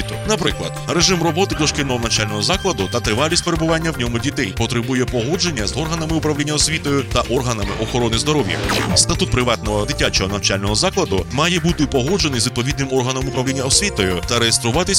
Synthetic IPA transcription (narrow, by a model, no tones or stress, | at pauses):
it̪ʊnɐpɾɪklˠɐ̰d̪̥ɾe̞ʐɪmrɔbɔt̪ɪk̪ɔʃkɪj̪nɔɦɔnɐwt͡ʃalʲnɔɦɔzɑklˠɐd̪ʊt̪ɐt̪ɾɪʋɑlʲisʲt̚ʲpe̞ɾebʊʋɑnʲːɐwnʲɔmʊdʲit̪ɛjpɔt̪ɾɪbujɛpɔɦɔd͡ʒe̞nʲːɐzɔrɦɐnɐmɪʊpɾɐʋlʲinʲːɐɔsʲʋʲit̪ɔjʊt̪ɐʔɔrɦɐnɐmɪ̰ʔɔxɔɾɔnɪzd̪ɔɾɔʋjɐ̰st̪ɐt̪ut̪̚pɾɪʋɑt̪nɔɦɔd̪ɪtʲːat͡ʃɔɦɔnɐwt͡ʃalʲnɔɦɔzɑklˠɐd̪ʊmɑjɛbut̪ɪpɔɦɔd͡ʒe̞nɪjzʋʲid̪̚pɔʋʲid̪nɪmɔrɦɐnɐmʊpɾɐʋlʲinʲːɐɔsʲʋʲit̪ɔjʊt̪ɐɾejest̪ɾʊʋɑt̪ɪsʲ